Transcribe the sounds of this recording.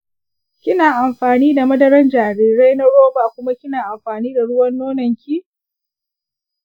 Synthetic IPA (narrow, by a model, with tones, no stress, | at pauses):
kʲɪ˦naː˨ʔa˨mɸaː˨niː˦da˨mɐ˦dɐ˨ɾɐ˦nd͡ʒaː˨ɾiː˨ɾa˦jnɐ˦ɽoː˦baː˨kʷʊ˦ma˦kʲɪ˦naː˨ʔa˨mɸaː˨niː˦da˨ɽʊ˦wɐ˦nːoː˦nɐ˨ŋkʲi˦